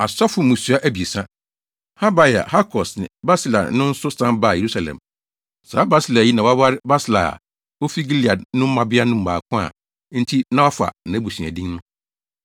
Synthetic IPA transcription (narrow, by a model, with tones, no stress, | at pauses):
a˨sɔ˦fʊ˨mʊ̃˨su˦a˦ʔæ˦bi˨e˨sã˦ | ha˦ba˦ja̰˨ha˦kʰɔ˨snɪ̰̃˨ba˦sla̰˨n̩˦nʊ̃˦n̩˦sʊ˦sã˦ba˦˨je˨ɾu˦sa˨lɛ̰̃˨m | sa̰ː˨˦ba˦sla˨ji˦nã˨wa˦wa˦ɾɪ˦ba˦sla̰˨ | o˦fi˦ɡi˦li˨a˨nʊ̃˦m̩˦mã˨bɪ˦a˦nʊ̃˦m̩˦˨a̰ː˨kʰʊ̃˦a̰˦˨ | n̩˦tʰi˦nã˦wɔ˦fa̰˨nã˨˦bu˨sɥæ̰˨dĩ˦ŋnʊ̃˦